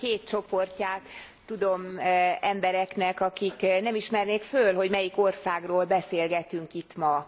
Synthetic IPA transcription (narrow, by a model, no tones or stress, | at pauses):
keːt̪̚t͡ʃo̞po̞rcaːt̪ː | ud̪o̞mɛmbɛɾɛknɛkɒkiknɛmiʃmɛrneːkfølɦo̞ɟmɛjiko̞rsaːɡroːlbɛseːlɡɛt̪yŋkit̪mɒ